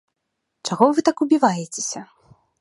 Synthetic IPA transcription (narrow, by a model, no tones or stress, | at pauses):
t͡ʂaɣɔvɨt̪akubʲivajɛt͡sʲe̥sʲɐ